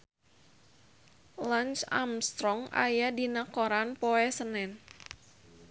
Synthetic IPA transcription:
lant͡ʃa̰mst̪ɾɔŋa̰jadinakoɾanpɔɛsənɛn

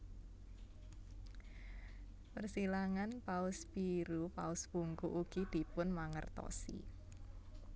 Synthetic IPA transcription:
pərsilaŋanpaʊspiɾupaʊsb̥uŋkuʔuɡ̥id̪̥i̤pʊnmaŋə̰rt̪ɔ̰sḭ

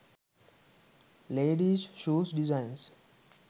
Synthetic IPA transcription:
leːɖizʃuːsɖizãɪns

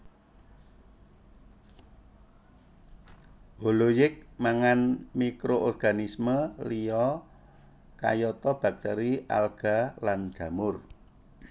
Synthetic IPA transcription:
bolojɪk̚maŋanmikɾoʔɔrɡ̥anisməliɔ | ka̰jɔt̪ɔb̥a̤k̚t̪eɾiʔa̰lɡ̥a̤lan̥d͡ʒ̥ä̤mʊr

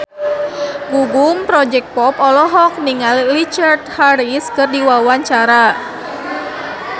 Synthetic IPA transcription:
ɡuɡumpɾɔd͡ʒɛk̚t̪̚pɔpɔlɔɦɔk̚niŋalːit͡ʃart̪haɾiskɨrdiwawaɲt͡ʃaɾa

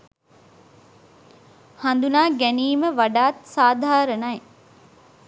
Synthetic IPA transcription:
hand̪unaːɡæniːməʋaɖaːt̪saːd̪ʱaːɾənɐj

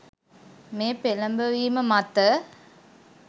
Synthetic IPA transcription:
meːpelɐmbəʋiːməmɐt̪ːə

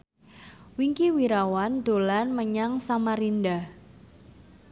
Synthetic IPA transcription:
wiŋkiwiɾawand̪̥o̤lanməɲaŋsamaɾinda

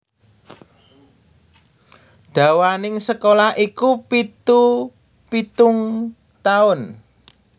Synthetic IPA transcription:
ɖ̥ä̤wanɪŋsəkolahʔikupit̪u | pit̪ʊŋ | t̪aʊn

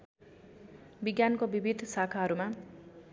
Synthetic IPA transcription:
biɡjankobibʱid̪ʱsakʰaɦʌɾuma

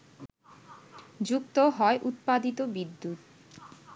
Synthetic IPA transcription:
d͡ʑuk̚t̪oɦɔeʔut̪̚pad̪it̪obid̪ːut̪̚

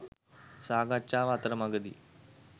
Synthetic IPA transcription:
saɡat͡ɕaʋat̪ɾəmaɡəd̪ḭː

